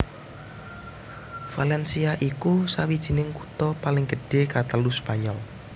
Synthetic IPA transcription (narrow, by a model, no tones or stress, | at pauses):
falɛnsiaʔikusawid̥ʒ̥i̤nɪŋkut̪ɔpalɪŋɡəɖ̥e̤kat̪əluspaɲɔl